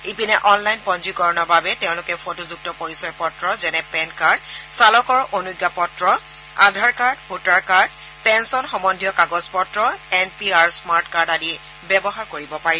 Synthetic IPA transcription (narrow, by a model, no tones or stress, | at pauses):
ipinɛʔɔnlajnpɔnd͡ʒukɔɹɔnɔbabɛteʊ̃lʊkɛpʰotozuk̚tɔpoɹisɔjpɔtɹɔzɛnɛpɛnkaɹdsalɔkɔɹʔonuɡːapɔtɹɔ | a̰dʱaɹkaɹdpʰutaɹkaɹd | pɛnsɔnxɔmɔndʱijɔkaɡɔzpɔtɹɔɛnpiaɹsmaɹtkaɹdadi | bɛbɔɦaɹkoɹibɔpaɹi